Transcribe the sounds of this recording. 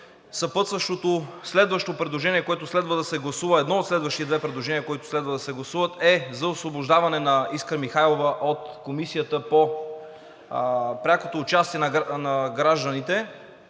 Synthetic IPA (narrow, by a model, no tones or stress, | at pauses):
sɐpɤt̪səʃt̪ot̪oslɛd̪vəʃt̪opɾɛd̪lˠoʒɛniɛkoɛt̪ʊslɛd̪vəd̪ɐsɛɡlˠɐsuvəɛd̪nɔot̪slɛd̪vəʃt̪it̪ɛd̪vɛpɾɛd̪lˠoʒɛnijəkoit̪ʊ̥slɛd̪vəd̪ɐsɛɡlˠɐsuvət̪ɛzɐosvoboʒd̪avɐnɛnɐiskəɾmixajlˠovəʔot̪komisijət̪əpo | pɾʲakot̪oːt͡ʃast̪iɛnɐnɐɡɾaʒd̪ənit̪ɛ